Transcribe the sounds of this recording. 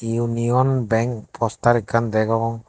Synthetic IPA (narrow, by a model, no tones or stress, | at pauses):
iuniɔnbɛŋk̚pʰɔst̪aɾikand̪ɛɡaɔŋ